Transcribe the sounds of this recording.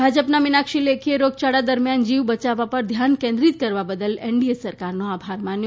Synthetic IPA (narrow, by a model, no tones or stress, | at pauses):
bʱad͡ʒəpnamɪnakʃilekʰieɾoɡ̚t͡ʃaɽad̪əɾmjand͡ʒiʋbət͡ʃaʋapəɾd̪ʱjankẽnd̪ɾit̪kəɾʋabəd̪əleɳɖiesəɾkaɾnoabʱaɾmãnj